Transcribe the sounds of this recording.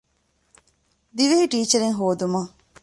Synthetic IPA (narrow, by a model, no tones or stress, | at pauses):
d̪iʋeɦiʈiːt͡ʃɐɾeŋɦoːd̪umɐ